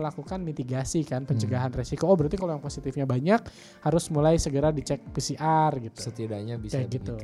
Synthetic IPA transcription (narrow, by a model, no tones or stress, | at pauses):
lakukanmit̪iɡasikanpəɲt͡ʃəɡaɦanresikoobəɾat̪ikalowjaŋposit̪ɪfɲabaɲak̚ | haɾʊsmulajsəɡəɾadit͡ʃɛk̚pisiʔarɡit̪u̥sət̪idaɲabisjaɡit̪u